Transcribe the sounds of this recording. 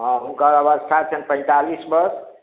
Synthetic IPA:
ɦə̃ɦunkəɾəβəst̪ʰat͡ʃʰɛnpə̃j̃t̪alisbəɾs

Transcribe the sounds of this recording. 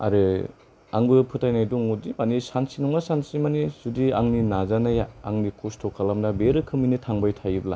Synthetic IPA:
a̰ɾɯ | aŋbɯpʰɯtʰajnajdɔŋudimanisansinɔŋasansimanisudiaŋninazanajaaŋnikʰustʰɔkʰalamnabeɾɯkʰɯminɯtʰaŋbajtʰajibla̰

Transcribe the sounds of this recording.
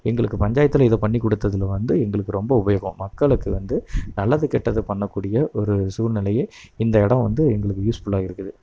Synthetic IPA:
ɛŋɡɐɭɯkːɯpɐɲd͡ʒaːjɐt̪ːɪlɪðoːpɐɳːikːɔɽɯt̪ːɐðɯlʋɐnd̪ɯɛŋɡɐɭɯkːɯɾɔmbɐʊbɐjɐɣɐ̰̃mɐkːɐɭɯkːɯʋɐnd̪ɯnɐlːɐðɯkɛʈːɐðɯpɐɳːɐkːuːɽɪjɐʔɔɾɯsuːɾnɪlɐjeː | ɪnd̪ɐɛɽɐ̃mʋɐnd̪ɯɛŋɡɐɭɯkːɯjuːsfʊɭːaːɣɪɾɯkːɯðɯ

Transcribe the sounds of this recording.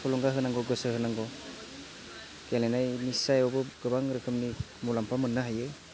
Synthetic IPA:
pʰɔlɔŋɡaɦɯnaŋɡɔɡɯsɯɦɯnaŋɡɔ | kelenajnisajɔbɯɡɯbaŋɾɯkʰɯmni | mulampʰamɯnːɯɦajɯ

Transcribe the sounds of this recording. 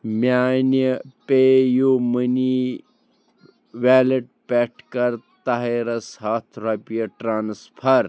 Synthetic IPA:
mjaːnəpeːjoməni | ʋaːlɐʈ̚pɛʈ̚ʰkɐɾt̪ɐɦeɾɐshaːt̪ʰɾaːpijɐʈɾaːnspʰɐɾ

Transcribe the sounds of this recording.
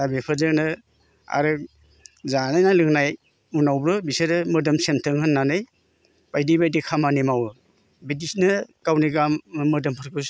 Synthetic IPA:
abepʰɯzɯnɯ | a̰ɾɯ | zanajnalɯŋnaj | unawbɾɯbisɯɾɯmɯdɯmsentʰɯŋhɯnːanɯj | b̥ajdibajdikʰamanimawɯ | bidisnɯkawniɡammɯɾdɯmpʰɯɾkɯs

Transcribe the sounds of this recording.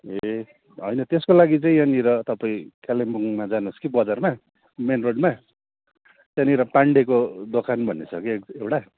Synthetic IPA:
e | ɦʌ̰jnʌt̪eskolaɡit͡sʌĩʌniɾʌt̪ʌpaĩkalembuŋmad͡zanuskibʌd͡zarma | menroɖma | tʌniɾʌpaɳɖekod̪okʰanbʱʌnːesʰʌkikewʈa

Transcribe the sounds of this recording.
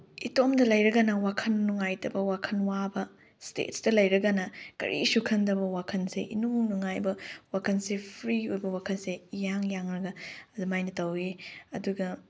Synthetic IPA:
itomdɐlɐjɾɐɡɐnɐwakʰɐnːuŋajtɐbɐwakʰɐnwabɐ | stḛtsdɐlɐjɾɐɡɐnɐkɐ̰ɾʔḭsukʰɐndɐbɐwakʰɐnseʔinunuŋajbɐwakʰɐnsepʰɾiojbɐwakʰɐnsejaŋjaŋɾɐɡɐɐdumajnɐtɐwiɐduɡɐ

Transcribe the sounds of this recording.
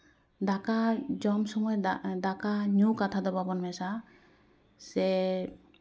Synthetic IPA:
d̪akad͡ʒɔmsɔmɔjd̪akaɲukat̪ʰad̪ɔbabɔnmɛsa | sɛ

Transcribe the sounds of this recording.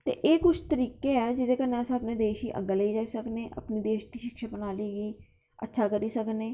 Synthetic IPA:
t̪ḛːʔeːkʊt͡ʃʰt̪əɾiːkeːɛːd͡ʒɪd̪eːkəneːəsãːəpneːd̪eːʃiːʔə̰ɡəleiːd͡ʒaːisəkneːʔə̰pniːd̪eːʃd̪iːʃɪkʃabənaːleːɡiː | ə̰tːʃʰaːkəɾiːsəknẽː

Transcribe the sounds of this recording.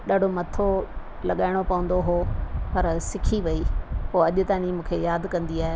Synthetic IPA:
ɗaːɖ̤ʱomɐt̪ʰo | lɐɠaːɪɽ̃opɐʋə̃n̆d̪oɦopɐɾsɪkʰiʋɐipoːɐʄt̪aːnimũːkʰejaːd̪kɐ̃nd̪iaːɦe

